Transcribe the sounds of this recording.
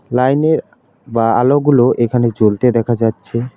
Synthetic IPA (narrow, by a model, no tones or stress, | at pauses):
lajneɾ | baaloɡuloʔekʰaned͡ʑolt̪ed̪ɛkʰad͡ʑatːɕʰe